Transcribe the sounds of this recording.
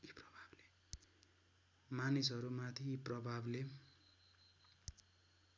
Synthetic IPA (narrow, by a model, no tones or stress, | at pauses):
iprʌbʱable̥ | manisʌɾumat̪ʰiprʌbʱable